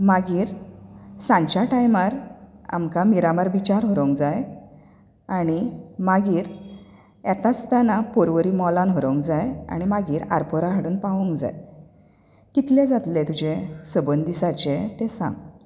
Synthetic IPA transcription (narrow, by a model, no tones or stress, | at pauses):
maɡiːɾ | sãɲt͡ɕaʈajmaɾa̰mkamiɾamaɾbit͡ɕaɾɦɔɾoŋkd͡zaj | aɽ̃imaɡiːɾ | ɛt̪ast̪anapoɾʋəɾiːmɔlanɦɔɾə̃ŋkd͡zaja̰ɽ̃imaɡiːɾa̰ɾpɔɾaɦəɽuːnpaʋõŋkd͡za̰j | kit̪lẽd͡zat̪let̪ud͡ʑʱẽsəbənd̪isat͡ɕẽt̪esã̰ŋɡ